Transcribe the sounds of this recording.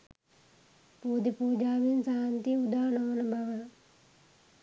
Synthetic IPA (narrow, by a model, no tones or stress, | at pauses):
puːd̪ipuːd͡ʒaːʋinsaːnt̪iud̪aːɳɐʋɐnɐbʱɐʋə